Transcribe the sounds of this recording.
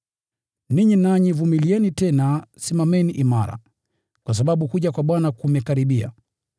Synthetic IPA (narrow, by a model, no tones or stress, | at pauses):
niɲinaɲivumiliɛnitɛnasimamɛniʔimaɾa̰ | kwas̬aɓaɓukuʄakwaɓwanakumɛkaɾiɓia̰